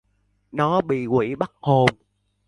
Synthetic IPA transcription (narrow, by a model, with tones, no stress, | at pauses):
nɔ˨˦ɓḭ˧˨kwḭ˧˩ɓa˦˥t̚ho˨˩m